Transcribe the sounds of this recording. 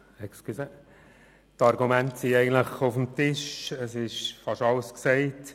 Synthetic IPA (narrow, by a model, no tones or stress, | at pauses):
ɛkskysɛ | tɑɾɡumæntsiɛɪɡən̩tləχʊfəmtɪʃəsɪʃfɑʃɑlsksɛɪt